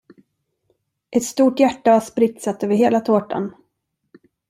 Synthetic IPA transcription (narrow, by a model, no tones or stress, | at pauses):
ʔɛt̪st̪uːʈjæʈːavaʂpɾɪt̪sat̪øːvəɾɦeːlat̪ʰoːʈa̰n